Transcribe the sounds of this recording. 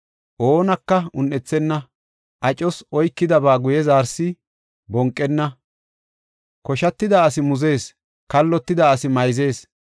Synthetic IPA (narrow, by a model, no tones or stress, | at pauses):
ʔoːnɐkːɐʊnːɛt͡sːɛnːɐ | ʔɐt͡ʃʼɔsɔjkːɪd̪ɐbaːɡʊjɛzaːɾsɪ | bɔŋkʼːɛnːɐ | kɔʃɐt̪ːɪd̪aɐsɪmʊze̞ːs | kɐlːɔt̪ːɪd̪aːsɪmɐjze̞ːs